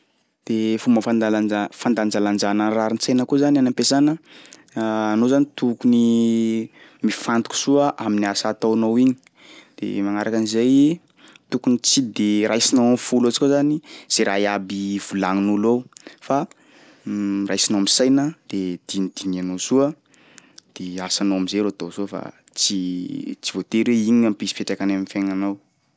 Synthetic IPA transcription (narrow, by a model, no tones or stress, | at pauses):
d̪̥efumbəfand̪alaafand̪and͡ʒaland͡ʒanəraɾinisajnəkuzanianampesanə | nozanit̪ukuni | mifant̪u̥ku̥suəʔaminiasat̪awnowiɲi̥ | d̪̥ḛmaŋaɾakənizaj | t̪ukunit͡sid̪eɾajsinaafulot͡si̥kʲazaniz̥eɾaiabiv̥ulaŋinulowfa | rajsinomisajnəd̪̥ed̪̥inid̪̥iɲanosuə | d̪̥easanowamizeɾot̪osuəfa̰ | t͡sit͡si̥vot̪eɾweiɲiampisi̥peʈ͡ʂakanaminfeŋanaw